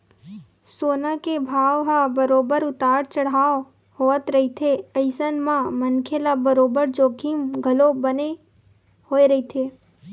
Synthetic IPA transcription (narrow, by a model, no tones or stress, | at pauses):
soːnakebʱaːʋɦabəɾoːbəɾʊt̪aːɾt͡ʃəɽ̤aː | hoːət̪ɾɐɦit̪ʰeɐɪsənmãmənkʰelabəɾoːbəɾd͡ʒoːkʰimɡʱəlobəne | hoːeɾɐɦit̪ʰeː